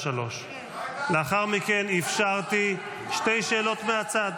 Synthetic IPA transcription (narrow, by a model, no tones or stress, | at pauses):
alo̞ʃ | leaχaʁmike̞nifʃaʁt̪i | ʃte̞jʃe̞ːlo̞t̪meat͡sad̪